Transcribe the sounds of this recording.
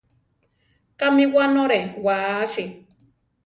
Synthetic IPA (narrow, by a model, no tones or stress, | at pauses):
kamiwanoɾewaʃi